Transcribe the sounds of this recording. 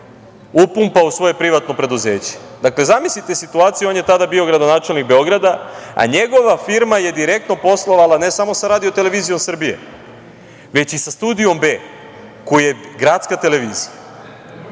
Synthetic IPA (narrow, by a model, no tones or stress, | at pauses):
upumpausʋo̞je̞pɾiʋat̪no̞pɾe̞d̪uze̞ːt͡ɕe̥ | d̪akle̞zamislit̪e̞sit̪uaːt̪sijuo̞nje̞t̪ad̪abioɡɾad̪o̞naːt͡ʃe̞lnik̚be̞o̞ɡɾad̪aa̰ɲe̞ɡo̞ʋafiɾmaje̞d̪iɾe̞k̚t̪no̞po̞slˠo̞ʋalane̞samo̞saɾaːd̪io̞t̪e̞le̞ʋiːzijo̞msr̩bije̞̰ | ʋe̞t͡ɕisast̪ud̪ijo̞mbe̞ː | kojujeɡɾat̪skat̪e̞le̞ʋiːzija